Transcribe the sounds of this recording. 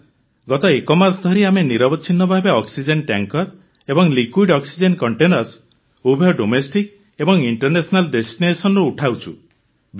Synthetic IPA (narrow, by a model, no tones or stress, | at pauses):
ɡɔt̪ɔekɔmasd̪ʱɔɾiameniɾɔbɔt͡ʃʰinɔbʱabeɔksid͡ʒenʈjaŋkɔɾ | ebɔŋlikwiɖɔksid͡ʒenkɔɳʈenɔɾs | ubʱjɔɖomesʈik | ebɔŋiɳʈɔɾnesɔnalɖesʈinesɔnɔɾuuʈʰawt͡ʃʰu | b